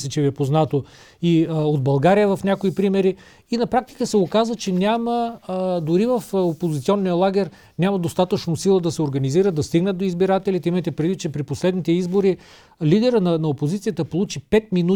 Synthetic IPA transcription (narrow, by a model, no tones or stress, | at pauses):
sɛt͡ʃɛviɛpoznat̪o | iod̪̚bɐlˠɡaɾijəvɐfnʲakoipɾimɛɾi | inɐpɾak̚t̪i̥kəsɛokazvət͡ʃɛnʲaməd̪ʊɾivɐfopozit̪sʲiɔnːijəlˠaɡʲɛɾ | nʲamɐd̪ost̪at̪ət͡ʃnosilˠəd̪ɐsɛoɾɡɐniziɾəd̪ɐst̪iɡnəd̪̚d̪oizbiɾat̪ɛlit̪ɛimɛt̪ɛpɾɛd̪vit̪ːt͡ʃɛpɾiposlɛd̪nit̪ɛizboɾi | lid̪ɛɾənɐnɐopozit̪sijət̪əpolˠut͡ʃipɛt̪̚minu